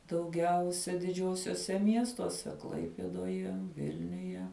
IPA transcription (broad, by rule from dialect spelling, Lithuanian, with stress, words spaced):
dɐʊˈɡʲɛʊsʲɛ dʲɪˈd͡ʒʲuɔsʲuɔsʲɛ ˈmʲiɛstuɔsʲɛ ˈklˠɐɪpʲeːdoːjɛ ˈʋʲɪlʲnʲʊjɛ